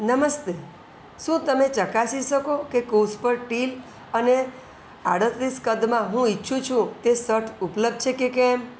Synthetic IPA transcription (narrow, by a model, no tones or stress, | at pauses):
nəməst̪e | ʃũt̪əmet͡ʃəkasiʃəkokekospəɾʈil | əne | aɽət̪ɾiskəd̪mãɦũitːʃʰũt͡ʃʰũt̪esəʈʰupləb̚d̪̚t͡ʃʰekekem